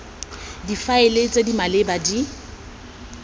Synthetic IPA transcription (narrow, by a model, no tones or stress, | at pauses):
difaelet͡sʼedimalebadi